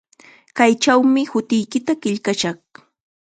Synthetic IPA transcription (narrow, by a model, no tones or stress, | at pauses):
kajt͡ʃawmɪhʊt̪ɪjkɪt̪akɪʎkaʃaχ